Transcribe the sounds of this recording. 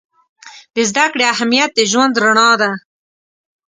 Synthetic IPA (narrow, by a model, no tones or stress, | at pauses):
d̪əzd̪akɽeaɦamijat̪̚d̪eʒwand̪ɾaɳɑd̪a